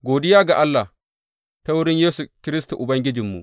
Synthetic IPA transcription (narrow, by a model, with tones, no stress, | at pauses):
ɡoː˨dɪ˦jaː˦ɡa˨ʔa˦lːa˨ | ta˦wʊ˦ɽɪ˦ɲjeː˦su˨kʲɪ˦ɾɪ˦s̬tu˨ʔʊ˨bɐ˦ŋɡʲɪ˦d͡ʒɪ˨mːṵ˨ʔ